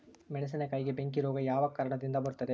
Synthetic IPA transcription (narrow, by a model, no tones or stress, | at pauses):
mɛɳɐs̬ɐnɐkɐjɡebeŋk̬iɾoːɡɐjaːʋɐkɐɾɐɳɐd̪ind̪ɐbɐɾut̪ːɐd̪e